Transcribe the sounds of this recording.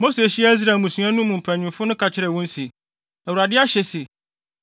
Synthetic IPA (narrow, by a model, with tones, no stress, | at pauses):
mo˦se˨ɕi˦a˦i˦s̬ɾaː˨mũ˨sũ˨˦ã˦nʊ̃˦mũ˨m̩˨pʰæ̃˨ɲʊ̃˨mfʊ˦nʊ̃˦kʰa˨t͡ɕʰɪ˦ɾɛ˨wɔ̃˦n̩˦si˨ | æ˨wu˨ɾa˨dɪ˦a˦ɕɛ˨se˨